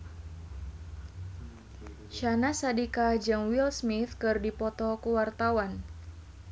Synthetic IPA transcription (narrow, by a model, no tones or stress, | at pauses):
ʃanasadikad͡ʒɨŋwilsmit̪kɨrdipɔt̪ɔkuwart̪awan